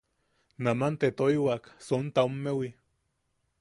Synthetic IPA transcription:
namant̪et̪oiwaksont̪aumːewi

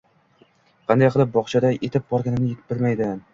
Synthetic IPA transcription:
qʰɑnd̪ajqʰɨlˠɪp̚bɒχt͡ʃʰad̪aʔet̪ʰɪp̚bɒɾɡʲanɪnɪjet̪ɪbɪlmajd̪ɪ

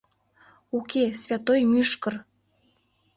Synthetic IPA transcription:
ukesvʲat̪ojmyʃkər

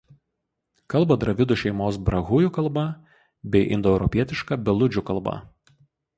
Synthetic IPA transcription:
kɐlˠbɐd̪ɾɐʋʲɪd̪ʊʃʲɛɪmoːsbɾɐɣʊjuˑkɐlˠbɐ | bʲɛɪʔɪ̰nd̪ɔɛʊɾɔpʲiɛt̪ʲɪʃkɐbʲɛlˠʊd͡ʒʲʊkɐlˠˑbɐ̰

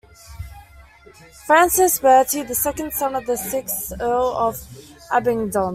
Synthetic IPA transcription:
fɹæ̃nsɪsbɜːtʰiðəsɛkə̃nd̥sʌ̃nəvðəsɪksɜːləvʔabɪ̃ŋdə̃n

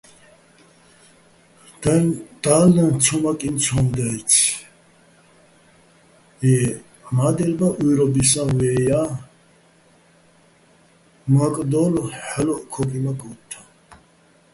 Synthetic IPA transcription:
d̪̥alnãnt͡sʰɔmakʼint͡sʰɔnd̪ɛt͡sʰ | ɛ | mad̪ɛlbaʔujɾɔbis̬ãwɛja | makʼd̪ɔlħɛlɔʔkʰɔpʼimakʼɔt̪ʰːã

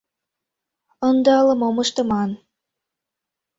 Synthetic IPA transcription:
ənd̪ɑləmoməʃt̪ə̆mɑn

